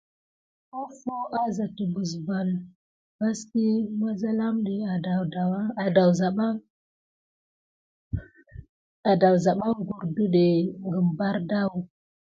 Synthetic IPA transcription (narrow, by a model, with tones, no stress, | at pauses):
ko˦fo˦ʔa˦za˨ti˨bu˨sba˨l | ba˦ski˦ma˦za˦la˦mɗi˨a˨da˨da˨wa˨da˨wza˨ɓa˦ŋ | a˨da˨wza˨ɓa˦ŋɡu˨ɾdu˦ɗe˨ŋɡə˨mba˦ɾda˦w